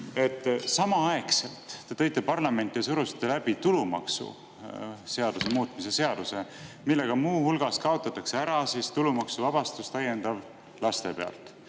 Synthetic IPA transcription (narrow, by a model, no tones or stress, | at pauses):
e̞t̪ˑːsɑmɑɑe̞kse̞lt̪ːe̞t̪ɤ̞jt̪ːˑe̞pɑrlɑme̞nt̪ːˑijɑsuɾusi̥t̪ːˑelæb̥it̪ulumɑ̰ksṵ | se̞ɑd̪̥use̞muːt̪mise̞se̞ɑd̪̥use̞ | milːe̞ɡ̥ɑmuːhulɡ̥ɑskɑo̞t̪ːˑɑt̪ːˑɑkse̞æɾɑsist̪ulumɑksuvɑb̥ɑst̪ust̪ɑje̞nd̪ɑb | lɑst̪e̞pe̞ɑ̰lt̪ˑ